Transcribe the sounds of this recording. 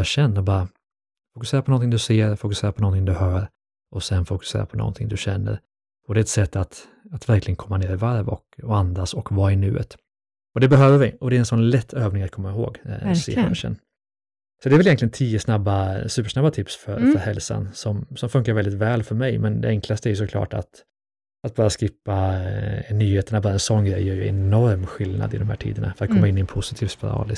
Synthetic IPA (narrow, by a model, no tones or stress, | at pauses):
ɑɕɛnːɔbɑːɾa | fʊkɵseːɾapʰɔnɔnt̪ʰɪŋd̪ɵseːɾfʊkɵ̥seːɾapʰɔnɔnt̪ʰɪŋd̪ɵhœːɾ | ʔɔsɛnfʊkɵ̥sḛːɾa̰pʰɔnɔ̰nt̪ʰɪŋd̪ɵɕɛnːə̰ɾ | ɔd̪ɛɛt̪sɛt̪ːat̪ | at̪væɾklɪɡənkʰɔmːaneːɾɪvaɾvɔkɔand̪asɔkvaɪɳʉ̟ːə̰t̪ | ɔd̪ɛbɛɦøːvəɾvɪʔɔd̪ɛɾɛnsɔnlɛt̪ʰːøːvnɪŋat̪̚kʰɔmːaɪɦo̰ːɡsḛɕɛ̰nː | sɔt̪ɛɾvɛljɛnt̪lɪɡənt̪ʰiːəsnabːasʉ̟ːpəʂnabːat̪ʰɪpsfœɾfœɾhɛlsa̰nsɔmsɔmfɵŋkaɾvɛld̪ɪt̪vɛːlfœɾmɛjmɛnd̪ɛ̰ɛŋkʰlast̪əæɾjɵsɔkʰlɑ̰ːʈa̰t̪ | ʔat̪̚bɑːɾaskɪpːa | nyːheːt̪əɳabɑːɾaɛnsɔnːɡɾɛjːœːɾjɵɛ̰nɔɾmɧɪlna̰d̪ɪd̪ɔmhæ̰ːʈʰḭːd̪əna̰fœɾat̪kʰɔmːaɪnːɪɛnpʰʊsɪt̪ʰiːvspɪɾɑ̰ːlɪs